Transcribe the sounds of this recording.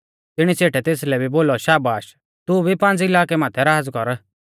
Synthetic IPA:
t̪ɪɽ̃it͡seːʈɛt̪eːs̬lɛbʱiboːlɔʃaːbaːʃ | t̪ʊbʱipãːnd͡zɪlaːkɛmãːt̪ʰɛɾaːd͡zkɔɾ

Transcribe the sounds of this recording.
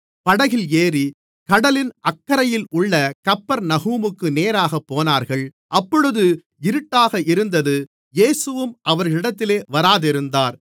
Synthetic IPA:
pɐɽɐɣɪleːɾi | kɐɽɐlɪnʔɐkːɐɾɐjɪlʊɭːɐkɐpːɐɾnɐɣuːmɯkːɯneːɾaːɣɐpːoːnaːɾɣɐɭ | ʔɐpːɔɻɯðɯ | ɪɾɯʈːaːɣɐʔɪɾɯnd̪ɐðɯ | jeːsɯʋɯmʔɐʋɐɾɣɐɭɪɽɐt̪ːɪleːʋɐɾaːðɪɾɯnd̪aːɾ

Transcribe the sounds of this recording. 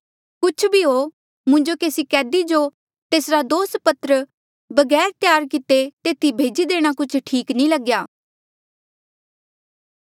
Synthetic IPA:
kʊt͡ʃʰbʱiɦo | mʊ̃ɲd͡ʒokeːsikɛːd̪id͡ʒo | t̪eːsɾad̪oːs̚pɐt̪ɾə | bɐɡɛːɾt̪ɪjaːɾkit̪et̪eːt̪ibʱeːd͡ʒid̪eːɽ̃akʊt͡ʃʰʈʰiːknĩləɡjaː

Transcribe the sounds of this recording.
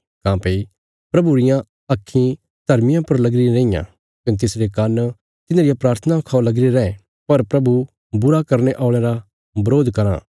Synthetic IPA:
kãːpeːi | pɾɐbuɾɪjã | ɐkʰːĩ | d̪ʱɐɾmɪjãpɐɾlɐɡɾiɾẽːijã̰ | kʊnt̪̬ɪsɾekɐn | t̪ɪnãɾɪjapɾaːɾt̪ʰənaʊkʰaːolɐɡɾiɾɛ̃ɛ̃ | pɐɾpɾɐbu | bʊɾakɐɾneʔaːɭ̃eɾa | bɐɾoːd̪ʱkɐɾã̰ː

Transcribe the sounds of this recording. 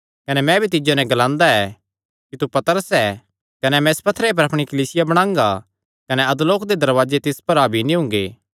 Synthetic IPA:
kɐnɛmɛ̃bʱit̪̬ɪd͡ʒonɛ̃ɡɐlãːnd̪aɛ | kit̪upɐt̪əɾəsɛː | kɐnɛmɛ̃ɪspɐt̪ʰːɾep̬ɐɾɐpɽ̃ikɐliːsɪjabɐɽ̃ãːŋɡa̰ | kɐnɛɐd̪loːkd̪ed̪ɐɾʋaːd͡ʒet̪ɪspɐɾabʱinĩɦʊ̃ŋ̆ɡḛː

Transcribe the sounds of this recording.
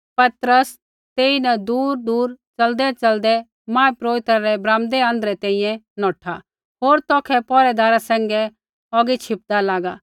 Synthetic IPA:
pɐt̪ɾəs | t̪eːinɛd̪uːɾd̪uːɾt͡ʃɐld̪ɛt͡ʃɐld̪ɛ | mãːɛpɾoːʋɪt̪ɾaɾɛbɾãːmd̪ɛə̃ːnd̪ɾɛt̪ɛ̃ːĩjɛ̃nɔːʈʰa | ɦoːɾt̪ɔːkʰɛpɔːɾɛd̪aːɾasɛ̃ːŋɡɛ | ɔːɡit͡ʃʰɪp̚d̪alaːɡaː

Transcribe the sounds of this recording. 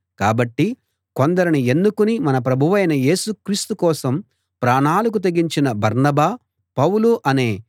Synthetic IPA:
kaːbɐʈːi | ko̞nd̪ɐɾinie̞nːukunimɐnɐp̬ɾɐbʱuʋɐjnɐje̞ːsukɾiːst̪ukɔːsɐm | pɾaːɳaːlɐk̬ut̪̬ɐɡiɲt͡ʃinɐbɐɾnɐbaː | pɐwuluʔɐne̞ː

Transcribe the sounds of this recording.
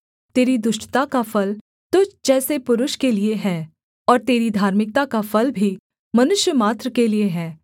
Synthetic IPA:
t̪eːɾid̪ʊʃʈt̪akafɐl | t̪ʊt͡ʃd͡ʒɛːsepʊɾʊʃkelieɦɛː | ɔːɾt̪eːɾid̪ʱaːɾmɪk̚t̪akafʰɐlbʱi | mɐnʊʃjəmaːt̪ɾəkelieɦɛː

